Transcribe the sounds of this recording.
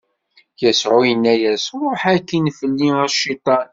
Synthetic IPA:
jæsʕʊjənːæjæsɾˤoħækːinfəlːiæʃit̪ˤɑn

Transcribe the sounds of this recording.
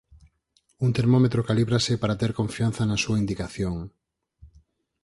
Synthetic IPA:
unt̪eɾmomet̪ɾokaliβɾasɪpaɾat̪eɾkoɱfian̟θɐnɐsuaind̪ikaθjoŋ

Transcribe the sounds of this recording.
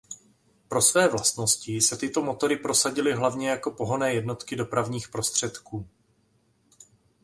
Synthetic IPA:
pɾo̞svɛːvlast̪no̞scɪsɛt̪ɪt̪o̞mo̞t̪o̞ɾɪpɾo̞saɟɪlɪɦlavɲɛjako̞po̞ɦo̞nɛːjɛdno̞t̪kɪdo̞pɾavɲiːxpɾo̞st̪r̝̥ɛt̪kuː

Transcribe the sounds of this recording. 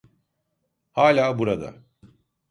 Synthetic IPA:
haːlʲaːbuɾad̪a̰

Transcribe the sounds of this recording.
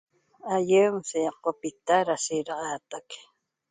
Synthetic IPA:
ajəmsejɑqːopɪt̪aɾasɪɾɑɢɑt̪ak

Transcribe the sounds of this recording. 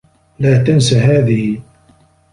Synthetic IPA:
laːt̪ansaɦaːðɪh

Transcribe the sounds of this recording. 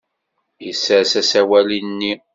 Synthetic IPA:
jəsːəɾsæsæwælinːi

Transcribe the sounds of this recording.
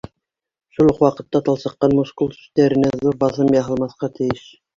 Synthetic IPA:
ʃulˠqwɑqɤ̆t̪ːɑt̪ɑlˠsɤ̆qːɑnmuskulˠsɵ̥st̪æɾɘ̆næzuɾbɑθɤmjɑɦɤ̆lˠmɑθqɑt̪ʰɘ̆jɘʃ

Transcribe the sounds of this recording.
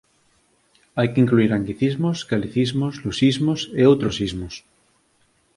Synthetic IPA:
ajkeiŋkluiɾaŋɡiθizmoskaliθizmozlusizmoseowt̪ɾosizmos

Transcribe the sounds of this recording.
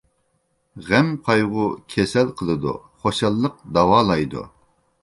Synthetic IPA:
ʁɛmqʰɑjʁʊkʲʰɛsɛlqʰəlˠɨd̪ṵ | χoʃɑlˠːəq̚d̪ɑwɑːlˠɑjd̪ṵ

